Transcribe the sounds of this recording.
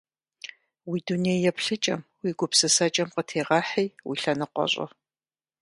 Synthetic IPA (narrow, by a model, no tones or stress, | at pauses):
wiːdunejjɛpɬɨt͡ʃʼɐmwiːɡʷʊpsɨsɐt͡ʃʼɐmqətʰeːʁɑːħijwḭɬɐnɨqʷɔ̰ɕʼɐ̰